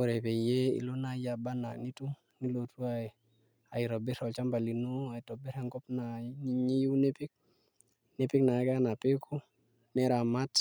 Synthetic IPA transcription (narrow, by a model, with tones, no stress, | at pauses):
o˨ɾe˨pe˨je˦ḭ˨lo˦na˦ja˨ba˦na̰˨ni˦tu˦ | ni˦lo˨tu˦a˨i˨ | a˨i˨ɾo˨be˦ɾɔ˨lt͡ʃa˦mba˨li˨nu˦a˨jtɔ˨be˦ɾe˦ŋɡɔ˦pna˨niɲi˦ji˦wne˦pi˦k̚ | ne˦pi˦kna˨˦ka˦na˨pe˦kʰu˦ | ne˦ɾa˨ma˦t